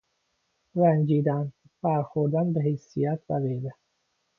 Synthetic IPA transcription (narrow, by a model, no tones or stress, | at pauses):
ɾænd͡ʒiːd̪æn | fæɾxoɾd̪ænbeɦejsijæt̪ʰvæɣejbe